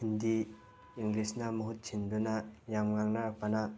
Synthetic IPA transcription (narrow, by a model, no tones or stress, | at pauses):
indi | iŋɡlisnamuɦut̪̚t͡ʃʰinbɯnajamŋaŋnaɾak̚pana